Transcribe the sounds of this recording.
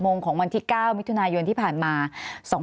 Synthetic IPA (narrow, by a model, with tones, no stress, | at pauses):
moː˧ŋkʰɔː˩˦ŋwa˧nt̪ʰiː˥˩kaː˥˩wm˦˥t̪ʰu˧naː˧jo˧nt̪ʰiː˥˩pʰaː˨˩nmaː˧sɔː˩˦